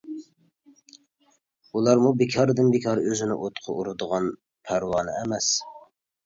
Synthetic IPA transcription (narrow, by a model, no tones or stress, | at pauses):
ulˠɑɾmubekʲʰɑɾd̪ɨnbekʲʰɑɾøzɪnɪ̰ʔot̪qʰʊʔuɾɨd̪əʁɑn | pʰæɾwɑːnɪ̰ɛmɛs